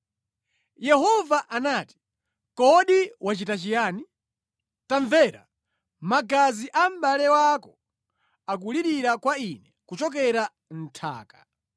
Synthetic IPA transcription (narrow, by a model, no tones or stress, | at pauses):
jɛhɔvaʔanaːti̥ | kɔɗiwat͡ʃitat͡ʃijaːni | taɱvɛɾa̰ | maɡaziʔam̩ɓalɛwakɔ | ak̬uliɾiɾakwainɛkut͡ʃɔk̬ɛɾa | n̩tʰa̰ːkḁ